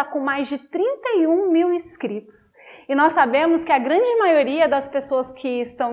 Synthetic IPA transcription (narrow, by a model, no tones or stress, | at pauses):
akõmajzd͡ʒɪt̪ɾĩnt̪ɐiũmiwɪskɾit̪ʊ̥s | ɪnɔsːabẽmʊskɪɐɡɾɐ̃d͡ʒɪmajoɾiɐd̪ɐspesoɐskʰɪːst̪ɐ̃w̃